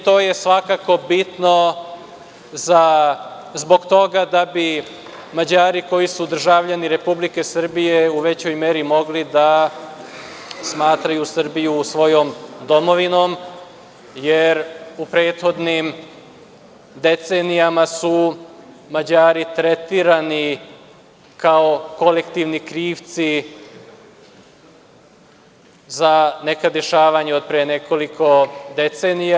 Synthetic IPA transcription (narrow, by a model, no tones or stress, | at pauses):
t̪o̞ːje̞sʋakako̞bit̪no | za | zbo̞ɡt̪o̞ɡad̪abi | mad͡ʑaːɾiko̞jisud̪r̩ʒaʋʎaniɾe̞publike̞sr̩bije̞uʋe̞t͡ɕo̞jme̞ɾimo̞ɡlid̪a | smaːt̪ɾajusr̩bijusʋo̞jo̞md̪o̞mo̞ʋino̞m | jeɾupɾeːt̪xo̞d̪nim | d̪e̞t̪seːnijamasu | mad͡ʑaːɾit̪ɾet̪iɾani | kaoko̞lekt̪iʋnikɾiːʋt̪si | zanekad̪e̞ʃaːʋaɲeod̪̚pɾeːne̞ko̞likʰo̞d̪e̞t̪seːnija